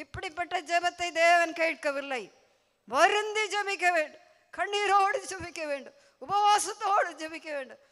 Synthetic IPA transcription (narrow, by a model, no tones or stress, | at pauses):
ipːɐɽipɐʈːɐd͡ʒɐbɐt̪ːɐjd̪eːʋɐnkɐiʈ̚kɐʋiɾlːɐj | bɐɾind̪id͡ʒɐmikeʋeːɳɖu | kʰɐɳːiːɾoːɽid͡ʒɐmikeʋeːɳɖu | upɐʋaːsɐt̪ːooːɽid͡ʒɐmikeʋeːɳɖu